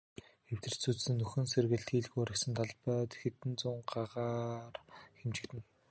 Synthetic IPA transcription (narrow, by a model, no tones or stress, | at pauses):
xew̥t̪ɘ̆r̥t͡sut͡ssɘ̆nːɵxɘ̆nserɣɘ̆ɮt̪xiːɮɣujɔɾʲɪ̆ksə̆nt̪ʰaɮpœːt̪xĕt̪ɘ̆nt͡sʊɴɢaʁaːrxemt͡ɕɪ̆kt̪ɘ̆n